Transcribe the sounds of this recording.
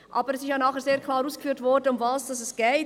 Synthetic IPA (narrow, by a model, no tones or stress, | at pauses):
ʔɑːbəɾɛsɪʃjanɑːχəɾzeːɾkʰlɑːɾuːsɡ̥fyːtvɔɾdəʊmvaːsd̥ɑsɛsɡ̥ɛɪ